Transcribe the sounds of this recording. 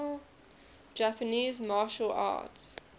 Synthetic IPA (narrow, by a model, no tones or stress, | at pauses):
d͡ʒæpəniːzmɑʃəla̰ːts